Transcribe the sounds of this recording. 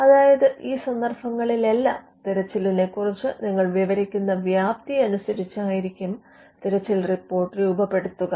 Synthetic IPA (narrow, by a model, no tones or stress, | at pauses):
ɐðaːjɐðɨʔiːsɐnd̪ɐrfɐŋːɐɭile̞lːaːm | t̪iɾɐt͡ɕːiline̞kːurit͡ɕːɨniŋːɐɭʋiʋɐɾikʲːunːɐʋjaːp̚t̪iɐnusɐɾit͡ɕːaːjiɾikʲːum | t̪iɾɐt͡ɕːilripːo̞ːrʈːriubɐpːe̞ɽut̪ːuɣɐ